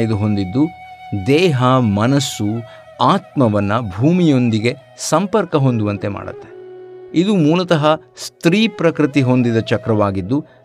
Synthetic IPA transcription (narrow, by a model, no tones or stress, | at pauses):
id̪uɦo̞nd̪id̪ːud̪ɛːɦɐmɐnɐsːu | aːt̪mɐʋɐnːɐbʱuːmijo̞nd̪iɡe̞ | sɐmpɐɾkɐɦo̞nd̪uʋɐnt̪e̞ma̰ːɖɐ̰t̪ːe̞̥id̪umuːlɐt̪ɐɦɐ | st̪ɾiːpɾɐkɾit̪iɦo̞nd̪id̪ɐt͡ʃɐkɾɐʋaːɡid̪ːu